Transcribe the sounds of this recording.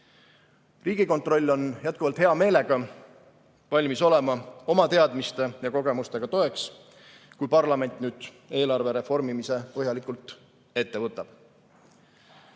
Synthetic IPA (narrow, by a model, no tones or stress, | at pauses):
riːɡ̥iko̞nt̪ˑro̞lʲːo̞njæt̪̚kuvɑlt̪heɑme̞ːle̞ɡ̥ɑ | vɑlʲmiso̞le̞mɑo̞mɑt̪e̞ɑd̪mist̪e̞jɑko̞ɡ̥e̞must̪e̞ɡ̥ɑt̪o̞e̞ks | kujpɑrlɑme̞nʲt̪ˑnyːd̪̥ | e̞ːlɑrve̞ɾe̞fo̞rmimise̞pɤɦjɑlikːˑult̪ | e̞t̪ːe̞vɤt̪ːˑɑb̥